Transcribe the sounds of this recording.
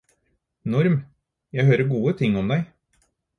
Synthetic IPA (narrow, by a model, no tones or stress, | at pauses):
nɔɾm | jæɪɦøːɾəɡuːət̪ʰɪŋːɔmd̪æɪ